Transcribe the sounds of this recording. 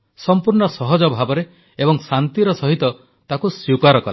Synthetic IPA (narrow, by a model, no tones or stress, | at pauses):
sɔmpuɾɳɔsɔɦɔd͡ʒɔbʱabɔɾe | ebɔŋsant̪iɾɔsɔɦit̪ɔ | t̪akusukaɾɔkɔ̰l